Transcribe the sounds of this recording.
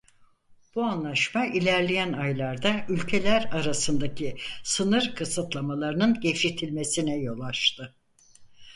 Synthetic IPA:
b̥uanlˠaʃmaʔilʲæɾlʲejænajlˠaɾd̪aylʲcʰe̞lʲæɾaɾasɯnd̪acʰisɯnɯɾkʰɯsɯt̪lˠamalˠaɾɯnɯnɟefʃit̪ʰilʲme̞sinɛjo̞lˠaʃt̪ʰɯ

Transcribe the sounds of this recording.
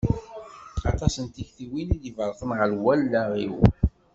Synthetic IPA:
ɑt̪ˤɑsənt̪içθiwinid̪ivəɾˤθəmʁəlwælːæʁḭw

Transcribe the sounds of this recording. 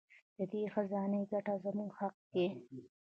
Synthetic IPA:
d̪̥əd̪exazɑːnəjɡaʈazamuɡxaq̚d̪e

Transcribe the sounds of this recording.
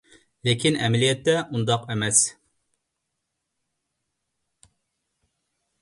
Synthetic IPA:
lekʲinɛmɛlijɛt̪ːɛʔund̪ɑqɛmɛs

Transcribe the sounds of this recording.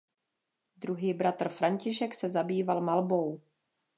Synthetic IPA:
d̪ɾuɦiːbɾat̪r̩fɾaɲcɪʃɛksɛzabiːvalmalbo̞w

